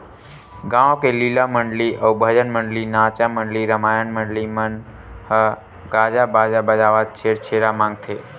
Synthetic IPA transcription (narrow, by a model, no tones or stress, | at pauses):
ɡãːõkelilaməɳɖliʔəubʱəd͡ʒənməɳɖlinat͡ʃaməɳɖliɾəmaːjənməɳɖlimən | hə | ɡad͡ʒabaːd͡ʒabəd͡ʒaːʋat͡ʃʰeɾt͡ʃʰeɾamãːŋɡ̚t̪ʰeː